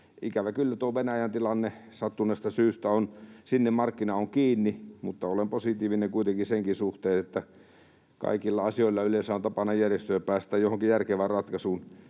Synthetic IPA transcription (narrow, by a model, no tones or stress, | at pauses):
ikæʋækylːæt̪uoʋenæjænt̪ilɑnːesɑt̪ːunest̪ɑsyːst̪æonsinːemmɑrkːinɑoŋkiːnːimut̪ːɑolemposit̪iːʋineŋkuit̪eŋkiseŋkisuht̪eːet̪ːæ | kɑ̰ikilːɑɑsioˑilːɑylesæont̪ɑpɑnɑjjærjest̪øøpæːst̪æːjohoŋkijærkeʋærrɑt̪kɑsuːn